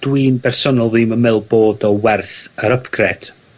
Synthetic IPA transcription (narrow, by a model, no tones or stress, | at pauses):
d̥winbɛrsɔnɔlˠðɨməmɛlˠboːdɔwɛrθəɾəpʰɡʰrɛd̥